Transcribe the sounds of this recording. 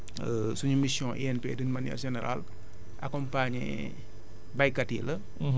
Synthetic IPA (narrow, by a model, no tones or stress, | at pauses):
əsuɲumisjɔ̃ʔḭɛnpeːdinmanɛ̰ɾʒɛnɛɾa̰l | ʔakɔmpaɲɛ̰ | bɐjkɐtilɐ